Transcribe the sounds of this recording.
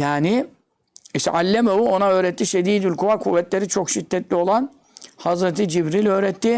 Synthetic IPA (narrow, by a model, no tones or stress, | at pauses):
jaːnɪ | iʃt̪ɛ̰ʔalʲːemovuo̞naø̞ːɾɛt̪ːiʃed̪iːd̪ylʲkʰuvakʰuvːɛt̪lʲe̞ɾit͡ʃʰo̞kʃid̪ːɛt̪lʲio̞lˠan | hazɾet̪ʰid͡ʒibɾilʲø̞ːɾɛt̪ʰːɪ